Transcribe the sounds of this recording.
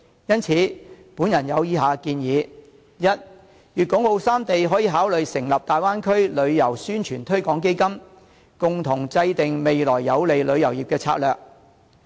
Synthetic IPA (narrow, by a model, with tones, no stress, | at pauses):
jɐ˥nt͡sʰiː˨˥puː˨˥njɐ˨˩njɐ˨˧wjiː˨˧˥ɦaː˨˧kiː˧njiː˨˧ | jɐ˥t̚ | jyː˨t̚kʊ˨˥ŋho˧wsaː˥mt̪e˨jɦɔː˨˥jiː˨˧ɦaː˨˥wlɵ˨ɥsɪ˨˩ŋlɐ˨p̚t̪aː˨jwaː˥nkʰɵ˥ɥlɵ˨˧ɥjɐ˨˩wsyː˥nt͡ʃʰyː˨˩nt̪ʰɵ˥ɥkɔː˨˥ŋk̬e˥jkɐ˥m | kʊ˨ŋt̪ʰʊ˨˩ŋt͡sɐ˧jt̪ɪ˨ŋme˨jlɔː˨˩jːɐ˨˧wle˨jlɵ˨˧ɥjɐ˨˩wjiː˨˩p̚kɛː˧t͡sʰa̰ː˧t̚lœː˨k̚